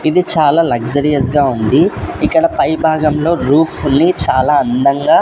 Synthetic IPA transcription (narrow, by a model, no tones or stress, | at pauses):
id̪it͡ʃaːlaːlɐɡd͡ʒɐɾijɐsɡaːund̪iikːɐɽɐpɐjbʱaːɡɐmlo̞ːɾuːpʰnːit͡ʃaːlaːɐnd̪ɐŋɡaː